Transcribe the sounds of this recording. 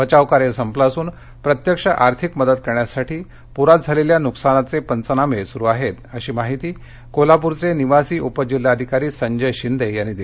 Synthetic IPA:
ʋət͡ɕaʋkaɾeɾsəmplasuːn | pɾət̪jəkʂəʔaɾt̪ʰikməd̪ət̪kəɾɳjasaʈʰiː | puɾat̪̚d͡zʱaleljanuksanat͡sepənt͡sənamesuɾuaɦet̪əɕiːmaɦit̪iː | kolapuɾt͡seniʋasiːupəd͡ʑil̤ːaəd̪ʱikaɾiːsəɲd͡ʑəjɕind̪ʱejañiːd̪i

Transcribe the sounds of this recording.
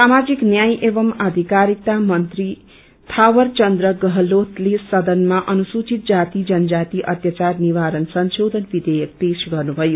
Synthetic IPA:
samad͡ziknjajʔeʋʌmad̪ʱikaɾik̚t̪amʌnt̪ri | t̪ʰawʌrt͡ʃʌnd̪ɾʌɡʌɦlot̪lesʌd̪ʌnmaʔʌnusut͡ʃit̪̚d͡zat̪id͡zʌnd͡ʒat̪iʔʌt̪jat͡ʃarniʋaɾʌnsʌnsod̪ʱʌnbid̪ejʌk̚pesɡʌrnubʱʌjo

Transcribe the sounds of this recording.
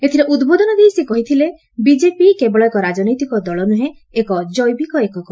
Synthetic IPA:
et̪ʰiɾeʔud̪bod̪ɔnɔd̪iisekɔɦit̪ʰile | bid͡ʒepikebɔɭɔekɔɾad͡ʒɔnɔjt̪ikɔd̪ɔɭɔnuɦẽ | ekɔd͡ʒɔjbikɔekɔkɔ

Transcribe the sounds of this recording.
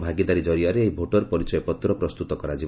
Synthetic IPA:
bʱaɡid̪aɾid͡ʒɔɾiaɾeejbʱoʈɔɾpɔɾit͡ʃɔjepɔt̪ɾɔpɾɔst̪ut̪ɔkɔɾad͡ʒi

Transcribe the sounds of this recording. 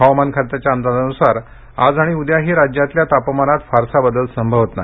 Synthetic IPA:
ɦaʋmankʰat̪at͡ɕjaənd̪alənusaɾ | ad͡zaɽ̃iud̪jaɦiːɾad͡ʑjat̪ljat̪apmanat̪faɾsabəd̪əlsəmbʱəʋət̪na

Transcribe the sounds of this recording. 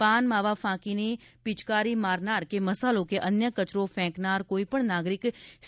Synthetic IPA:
paːnmaːʋaːpʰãːkinepɪt͡ʃkaːɾimaːɾnaːɾkeməsaːlõkeʔənjəkət͡ʃɾõpʰɛ̃ːknaːɾkoːipəɳnaːɡɾɪks

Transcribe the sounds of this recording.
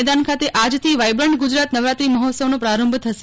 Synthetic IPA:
d̪ankʰat̪eʔad͡ʒt̪ʰiʋajbɾəɳɖɡud͡ʒɾat̪nəʋɾat̪ɾiməɦɔt̪səʋnõpɾaɾəmbʱt̪ʰəʃ

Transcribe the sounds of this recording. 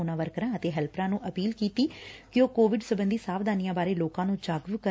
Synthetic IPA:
uːnãːʋəɾkəɾãːət̪eːɦɛːlpɾãːnũːʔəpiːlkiːt̪iːkɪjoːkoːʋɪɖsəbənd̪iːsaːʋd̪aːnɪjãːbaːɾeːloːkãːnũːd͡ʒaːɡʋkə

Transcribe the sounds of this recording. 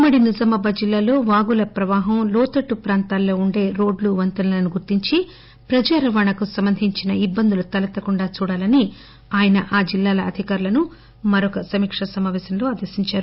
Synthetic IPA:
mɐɽinizɐmɐbɐd͡ʒilːaːlo̞ːʋaːɡulɐpɾɐʋaːɦɐmlɔːt̪ɐʈːupɾaːnt̪aːlːo̞ːuɳɖe̞ːɾo̞ːɖluʋɐnt̪ɐnɐlɐnuɡuɾt̪iɲt͡ʃi | pɾɐd͡ʒaːɾɐʋaɳɐkusɐmbɐnd̪ʱiɲt͡ʃinɐibːɐnd̪ulut̪ɐlɐt̪ɐkuɳɖaːt͡ʃuːɽaːlɐni | aːjɐnɐʔaːd͡ʒilːaːlɐɐd̪ʱikaːɾulɐnu | mɐɾɔkɐsɐmiːkʂɐsɐmaːʋɛːsɐmlo̞ːaːd̪ɐsiɲt͡ʃaːɾu

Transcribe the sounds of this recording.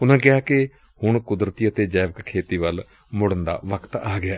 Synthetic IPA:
ʊnãːkɪaːkɪ | hʊɳkʊd̪ɾət̪iːət̪eːd͡ʒɛːʋəkkʰːeːt̪iːʋəl | mʊɽənd̪a̰ːʋəkt̪aːɡɪaː

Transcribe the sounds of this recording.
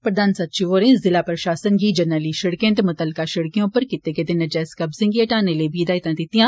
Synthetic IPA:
pɾɐd̪ʱaːnsat̪ːt͡ʃiʋoːɾẽːnzzɪlaːpɾɐʃaːsənɡid͡ʒɐnəliʃɐɽkẽːnt̪emʊt̪əlːɪkaʃɐɽkijõpɐɾkɪt̪ːeked̪ɪnɐd͡ʒɛːskɐbzɪ̃ŋɡiɐʈaːnelebʱid̪aːjt̪ãd̪ɪt̪ijãː

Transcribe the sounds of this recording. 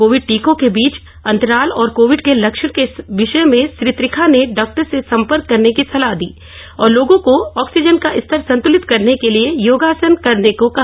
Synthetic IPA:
koːʋɪɖ̚ʈiːkõkebiːt͡ʃ | ɐ̃nt̪əɾaːlɔːɾkoːʋɪɖkelɐkʃəɽ̃keʋɪʃəmẽsɾɪt̪ɾɪkʰaneɖɔːk̚ʈəɾsesɐ̃mpəɾkːɐɾnekisɐlaɦd̪ḭː | ɔːɾloːɡõkoɔːksɪd͡ʒənkaʔɪst̪ʰəɾsɐ̃nt̪ʊlɪt̪kɐɾnekeliejoːɡaːsənkɐɾnekoka

